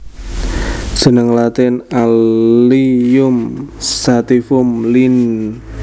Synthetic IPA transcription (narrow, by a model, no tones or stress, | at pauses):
sə̤nəŋlat̪ɪna | ijʊmsat̪ifʊmlin